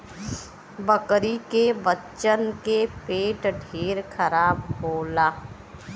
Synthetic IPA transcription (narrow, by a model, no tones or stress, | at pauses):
bəkɾikebətːt͡ʃənkepeːʈɖʱeːɾkʰəɾaːbɦoːlaː